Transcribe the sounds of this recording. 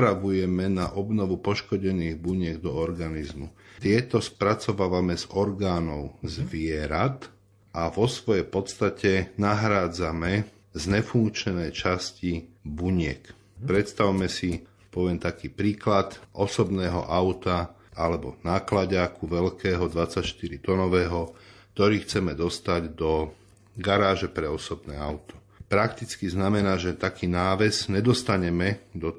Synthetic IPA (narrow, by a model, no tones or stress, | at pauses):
ɾaʋujɛmɛnaʔɔbnɔʋupɔʃkɔɟɛniːɣbuɲɪɛɡd̪ɔɔɾɡanizmut̪ɪɛt̪ɔspɾat͡sɔʋaːʋamɛzɔɾɡaːnɔʊzʋɪɛɾat̪ | ʔaʋɔsʋɔjɛpɔt̪st̪acɛnaɦɾaːd͡zamɛ | zɲɛfuŋkt͡ʃɲɛnɛːt͡ʃascibuɲɪɛk | pɾɛt̪st̪aʊmɛsi | pɔʋɪɛmt̪akiːpɾiːklat̪ʔɔsɔbnɛːɦɔ̰ʔaʊt̪a | alɛbɔnaːklaɟaːkuʋɛlkʰɛːɦɔd̪ʋat͡sːacʃt̪iɾit̪ɔnɔʋɛːɦɔk̚t̪ɔɾiːxt͡sɛmɛd̪ɔst̪aɟd̪ɔ | ɡaɾaːʒɛpɾɛɔsɔbnɛːaʊt̪ɔ̥ | pɾakt̪it͡skiznamɛnaːʒɛt̪akiːnaːʋɛzɲɛd̪ɔst̪aɲɛmɛd̪ɔ